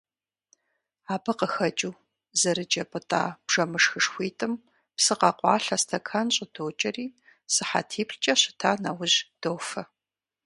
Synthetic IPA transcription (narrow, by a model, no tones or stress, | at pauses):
aːbɐqəxɐt͡ʃʼuː | zɐɾɨd͡ʒʼɐpʼɨtʼa̰ːb̥ʒ̥ɐmɨʂxɨʂxʷiːtʼɨm | psɨqɐqʷɑ̰ːɬɐstʰɐkʰanɕʼɪdoːt͡ʃʼɐriː | sɨħa̰tʰiːpɬt͡ʃʼɐɕɪ̥tʰaːnawʊʑd̥owfɐ